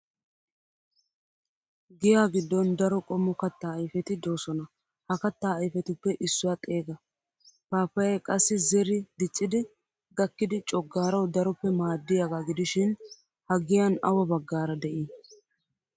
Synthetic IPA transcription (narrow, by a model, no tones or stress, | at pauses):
ɡɪjaːɡɪd̪ːɔnd̪ɐɾɔkʼɔmːɔkɐt̪ːaːɐjfɛt̪ɪd̪o̞ːsɔnɐ | hɐkɐt̪ːaːjfɛt̪ɪpːɛʔɪsːʊwat̪ʼe̞ːɡɐ | paːfɐjɛjkʼɐsːɪzɛɾɪd̪ɪt͡ʃʼːɪd̪ɪ | ɡɐkːɪd̪ɪt͡ʃʼɔɡːaːɾɐwd̪ɐɾɔpːɛmaːd̪ːɪjaɡaːɡɪd̪ɪʃɪn | hɐɡɪjɐnɐwɐbɐɡːaːɾɐd̪ɛʔi